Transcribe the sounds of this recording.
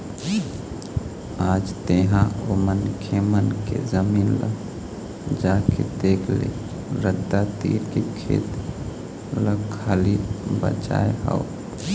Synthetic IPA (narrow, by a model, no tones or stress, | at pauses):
aːd͡ʒt̪eɦãomənkʰemənkḛzəmiːnlə̰ | d͡ʒaːked̪eːkʰlḛ | ɾəd̪at̪ḭːɾkekʰḛːt̪ | ləalibə̰t͡ʃa̰ːeɦə̰o